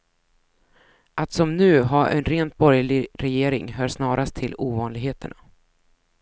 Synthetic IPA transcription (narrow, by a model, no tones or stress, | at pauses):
ʔat̪sɔmnʉ̟ːɦaɾɛ̰nɾeːnt̪̚bɔɾjɭɪɾɛjeːɾɪŋɦœːʂnɑːɾʔast̪ʰːɪluːvɑːnlɪɡɦeːt̪əɳa̰